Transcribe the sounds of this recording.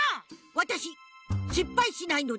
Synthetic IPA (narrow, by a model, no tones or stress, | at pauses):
awɐtaʃiʃipːajʃinaino